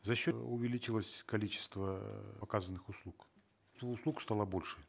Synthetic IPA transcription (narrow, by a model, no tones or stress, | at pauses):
zɐɕːoʊvʲɪlʲit͡ɕɪlˠəsʲkɐlʲit͡ɕɪ̥st̪vəpɐkazənːɨxʊslˠuk | t̪oʊslˠukst̪alˠəbolʲʂɨ